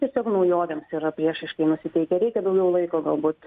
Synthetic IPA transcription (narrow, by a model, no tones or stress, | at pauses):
tʲiɛsʲoːknɐʊjoːʋʲɛmsiɾɐpʲɾʲiɛʃɐɪʃkɐɪnʊsʲɪt̪ʲɛɪkʲɛɾʲɛɪkʲɛd̪ɐʊɡʲɛʊlˠɐɪkoːɡɐlˠbuːt̪